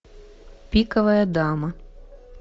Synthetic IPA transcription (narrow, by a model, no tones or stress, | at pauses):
pʲikɐʋɐjɐd̪ɑmɐ